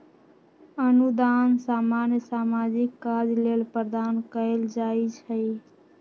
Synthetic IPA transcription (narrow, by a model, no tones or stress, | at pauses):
ənud̪ansaːmanjəsaːmad͡ʒikːad͡ʒlelpəɾd̪ankəeld͡ʒait͡ʃʰəj